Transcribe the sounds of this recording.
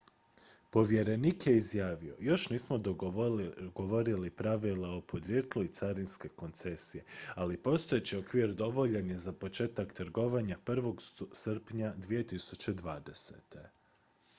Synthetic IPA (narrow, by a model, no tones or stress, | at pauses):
po̞ʋje̞ɾe̞niːkje̞izjaːʋio̞̰jo̞ʃniːsmo̞d̪o | ɡo̞ʋo̞ɾilipɾaʋilao̞po̞d̪ɾje̞ːt̪luit̪saɾinske̞ko̞nt̪se̞sije̞alipo̞st̪o̞jet͡ɕiokʋiɾd̪o̞ʋo̞ʎenje̞zapo̞t͡ʃe̞ːt̪akt̪ɾ̩ɡo̞ʋaɲapr̩ʋo̞ɡsr̩pɲad̪ʋije̞t̪isut͡ɕe̞d̪ʋaːd̪e̞sḛt̪e̞